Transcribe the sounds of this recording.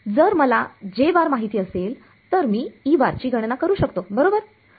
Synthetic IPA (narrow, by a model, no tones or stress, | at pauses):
d͡zəɾməlad͡ʑeʋaɾmaɦit̪iːəsel | t̪əɾmiːiːʋaɾt͡ɕiːɡʱəɽnakəɾuːɕəkt̪obəɾobəɾ